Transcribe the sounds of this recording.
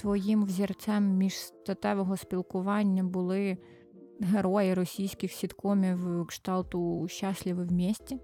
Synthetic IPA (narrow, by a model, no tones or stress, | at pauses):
t̪ʋɔjimwzʲirt͡s̪ʲɛmːʲiʒst̪ɐt̪ɛʋɔɦɔspʲilˠkʊʋɑnʲːɐbʊlˠɪ | ɦeɾɔjɪɾɔsʲijsʲkʲɪxsʲid̪kɔmʲiwkʃt̪ɑlˠt̪ʊʃɑsʲlʲɪʋɪwmʲisʲtʲi